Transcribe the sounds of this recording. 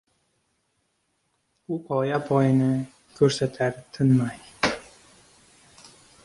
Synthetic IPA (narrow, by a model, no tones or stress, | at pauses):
upɒjapʰɒjnɪ | kʲʰɵɾsat̪ʰaɾt̪ʰɪnmaj